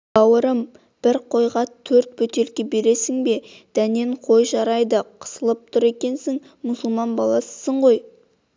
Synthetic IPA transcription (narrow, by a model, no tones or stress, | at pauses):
ɑwəɾəm | b̥ɪɾqʰo̞jʁɑt̪ʰːɵɾt̪̚pɵt̪e̞lkʲe̞be̞ɾe̞sɪŋbe̞ | d̪̥æne̞ɴqʰo̞jʒɑɾɑjd̪əqʰə̥səlˠəp̚t̪ʰʊɾe̞kʲe̞nsɪŋ | mʊsʊlˠmɑnbɑlˠɑsə̥səɴʁo̞j